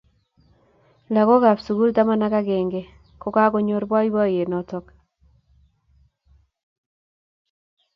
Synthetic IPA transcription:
la˨ko˦ɡa˨psu˨ɡu˦lt̪a˦ma˦na˦ka˦ɡe˨ŋɡe˨ | ko˦ka˦ko˦ɲo˦ɾbwa˦i˦ba˦je˨nɔ˨tɔ˨k

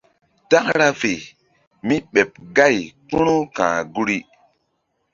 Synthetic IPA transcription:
ta˦kɾa˦fe˨ | mi˦ɓe˨p̚ɡa˦˨jku˦nu˦kã̰ː˨ɡu˦ɾi˦

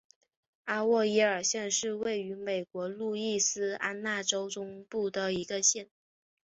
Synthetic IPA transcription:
a˥wɔ˥˩i˧˥ə˞˨˩ɕjɛ˥˧nʂɻ̩˥˧we˥˩ɪy˧˥me˨˩ɪkwɔ˧˥lu˥˧i˥˩sɹ̩˥a˥nna˥˩ʈ͡ʂo˥ʊʈ͡ʂʊ˥ŋpu˥˩d̪ə˩i˧˥ɡə˧ɕjɛ˥˩n

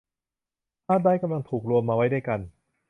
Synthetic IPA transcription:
taː˥˩t̪̚daː˥˩jka˧mla˧ŋt̪ʰuː˨˩k̚ɾu˧əmːaː˧wa˦˥jda˥˩jka˧n

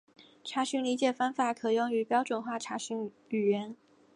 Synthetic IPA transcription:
ʈ͡ʂʰa˧˥ɕy˧˥nli˧˥t͡ɕjɛ˨˩fa˥nfa˨˩˦kʰɤ˨˩jʊ˥ŋy˧˥pjɑ˥ʊʈ͡ʂwə˨˩nxwa˥˩ʈ͡ʂʰa˧˥ɕy˧˥ŋ | y˨˩ɥɛ˧˥n

